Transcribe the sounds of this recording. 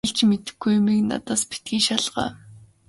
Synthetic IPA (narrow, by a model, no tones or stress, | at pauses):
ɮt͡ɕmet̪ɘ̥̆xɡujmikna̰t̪aːspe̥t̪̚ɡiːʃaɮʁa̰ː